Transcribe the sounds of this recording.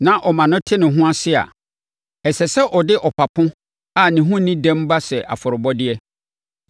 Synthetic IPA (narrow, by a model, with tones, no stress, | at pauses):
nã˨ʔɔ˨mã˨nʊ̃˦tʰɪ˦nʊ̃˨ɦʊ̃˦a˦sɪ˦a̰˨ | ɛ˨sɛ˨sɛ˦ʔɔ˨dɪ˦ʔɔ˨pʰa˨pʰʊ̃˦ | a˨nɪ̃˨ɦʊ̃˦nĩ˦dɛ̃˦mba˦sɛ˨ʔa̰˨fʊ˨ɾʊ˨bɔ˦dɪ˦ɛ˦